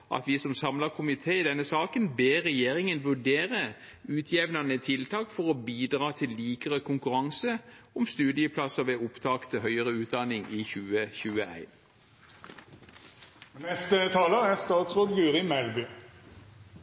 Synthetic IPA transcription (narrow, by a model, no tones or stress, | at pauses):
ʔɑ̰t̪ʋɪsɔmsɑmlɑkʰʊmɪt̪ʰeːɪd̪ɛnːəsɑːkənbeːʁɛjeːɾɪŋənʋʉɖeːʁə | ʉːt̪ʰjɛʋnɑnət̪ʰɪlt̪ʰɑːkfɔʁɔbiːd̪ʁɑːt̪ʰɪlːiːkəʁəkʰʊŋkʉɾɑŋsəɔmst̪ʉːd̪ɪəpʰlɑsɔʋeːʊpt̪ʰɑːkt̪ʰəɦœʏəʁəʉːt̪̚d̪ɑnɪŋiçʉːəçʉːəæ̰ɪn | nɛst̪ət̪ʰɑːləæʁst̪ɑːt̪sʁoːd̪ɡʉːɾɪmɛlbʏː